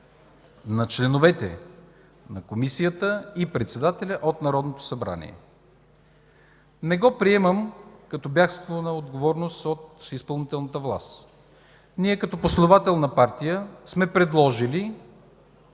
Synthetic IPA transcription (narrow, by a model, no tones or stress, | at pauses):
nɐt͡ʃlɛnovɛt̪ɛ̰ | nɐkomisijət̪əipɾɛt̪sɛd̪at̪ɛlʲɐʔot̪nɐɾɔd̪not̪o̥sɐbɾa̰nḭɛ̰ | nɛɡɔpɾiɛməmkɐt̪ɔbjaxst̪vonɐod̪ɡovɔɾnost̪ot̪ispəlˠnit̪ɛlˠnət̪əvlˠa̰st̪ | niɛkɐt̪ɔposlɛd̪ovat̪ɛlˠnɐpaɾt̪ijəsmɛpɾɛd̪lˠɔʒili